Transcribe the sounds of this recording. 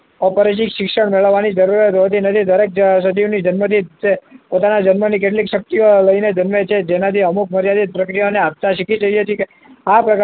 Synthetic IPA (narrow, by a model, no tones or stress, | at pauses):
ɔpəɾet͡ʃikʃɪkʃəɳmeɭəʋːanid͡ʒəɾuɾjat̪ɦot̪inət̪ʰid̪əɾek̚d͡ʒsəd͡ʒ̪inid͡ʒənmət̪ʰit͡ʃepot̪anad͡ʒənmənik̬eʈ̬likʃək̚t̪ijoləined͡ʒənmət͡ʃʰed͡ʒenat̪ʰiəmuk̚məɾjad̪it̪̚pɾəkɾijaneap̚t̪aʃikit͡ʃəiət̪ʰike | apɾək